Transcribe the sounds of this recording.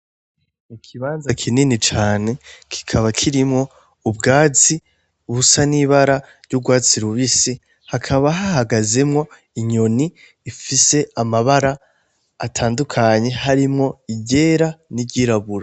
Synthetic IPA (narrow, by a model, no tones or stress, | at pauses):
ikʰiβaːnzakʰininit͡ʃaːne̞kʰi̥kʰaβakʰiɾimŋo̞ | ubɡaːt͡si | uβusaniβaɾa | ɾɟuɡwaːt͡siɾuβisi | hakʰaβaɦahaɡaze̞mŋo̞ | iɲo̞niː | fise̞amaβaɾaː | tʰaːndukʰaɲe̞ɦaɾimŋo̞iɟe̞ːɾanibɟiɾaβuɾa